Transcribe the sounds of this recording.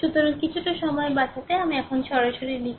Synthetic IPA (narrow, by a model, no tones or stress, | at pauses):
ut̪oɾonkit͡ɕʰuʈaʃɔmɔebat͡ɕat̪eamiɛkʰonʃɔɾaʃoɾilikʰ